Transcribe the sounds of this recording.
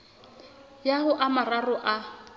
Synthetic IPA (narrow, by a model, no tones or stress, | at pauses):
jaɦʊʔamararʊʔa